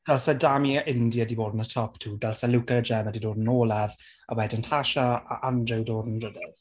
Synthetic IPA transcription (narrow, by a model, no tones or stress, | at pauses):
d̥ɛlsadamiʔɪndjadiboːdnətʰɔptʰuːdɛlˠsalukəɾəd͡ʒɛmədidoːdn̩oːlˠɛva̰wɛdəntʰaʃaa̰ʔandrɪwdoːdn̩rədɛlˠ